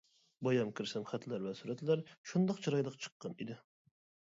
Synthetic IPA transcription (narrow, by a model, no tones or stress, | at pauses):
bɑjɑmkʲʰiɾsɛmχɛt̪læɾvɛsuɾɛt̪læɾʃund̪ɑqt͡ʃʰɨɾɑjlˠəqt͡ʃʰə̥qːɑnḭd̪ɪ